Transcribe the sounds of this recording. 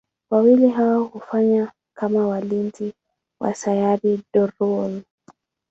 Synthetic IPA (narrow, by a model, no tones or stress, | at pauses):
wawiliɦawahufaɲa | kamawalintʰi | wʔa̰sajaɾidɔɾɔl